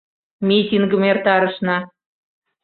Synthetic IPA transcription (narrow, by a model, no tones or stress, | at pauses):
mʲitʲiŋɡəmert̪ɑɾəʃnɑ